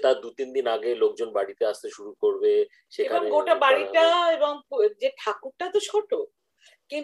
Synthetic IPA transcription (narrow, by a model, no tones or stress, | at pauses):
t̪ad̪ut̪ind̪inaɡelok̚d͡ʑonbaɽit̪eaʃt̪eʃuɾukoɾbe | ʃekabɔŋɡoʈabaɽiʈaebɔŋd͡ʑeʈʰakuɾʈat̪oʃʰɔʈo | kin